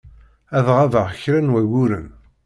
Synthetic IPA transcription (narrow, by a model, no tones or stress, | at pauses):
æðʁavəʁçɾænwæwʊɾən